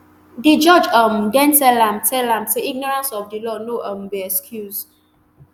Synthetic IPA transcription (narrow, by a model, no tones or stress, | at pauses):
did͡ʒɔd͡ʒamdɛ̃ntɛlãmtʰɛlãmteiɡ̚nɔɹãnsɔfdilɔnoʔəmbeɛskʰjuz